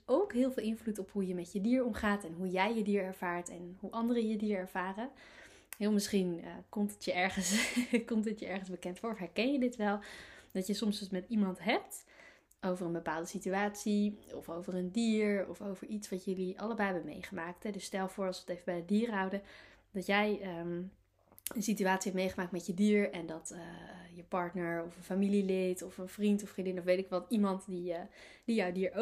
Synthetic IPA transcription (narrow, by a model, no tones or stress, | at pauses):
owkɦɪːlˠvɪːlˠɪnvlutɔpɦujəmɛtjədiːɹɔmχaːtɛnɦujɛjjədiːɹɛɹv̥aːɹtɛnɦuʔɑndərəjədiːɹɛɹv̥aːrə | ɦɪlˠmɪsχinəkɔmtətjəɛɹχənskɔmtətjəɛɹχənzbəkɛntfʊːɹɔfɦɛɹkɛnjədɪtʋɛlˠd̥ɑtjəsɔmsətmɛtimɑntɦɛp̚t | ʔowvərənbəpaːlˠdəsityaːtsiɔ̰fowvərəndiːɹɔ̰fowvəɹitsʋɑtjɵliʔɑ̰ləbɛjbəmḛjχəmaːk̚tɦɛdɵsːtɛlˠvʊːɹɑlˠsʋəətejvəbɛjədiːrɦʌwdədɑtjɛjə | ənsityaːtsiɛp̚tmejχəmaːk̚tmɛtjədiːɹɛndɑtjəpɑɹtnəɹɔfənfamililɪtɔfənfrintɔfrindɪnɔfʋejtɪkʋɑtimɑntdi | d̥ijawdiːɹo